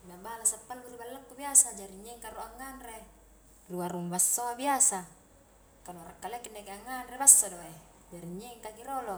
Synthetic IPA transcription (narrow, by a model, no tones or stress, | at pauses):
mabalasat̪ːalːuribalːəkːubiasad͡ʒaɾiɲːɛŋkaɾuaŋːanre | ruaruŋbasːoabiasa | kanuaɾakːalekindekeaŋːanrebasːodoe | d͡ʒaɾiɲːɛŋkakiɾolo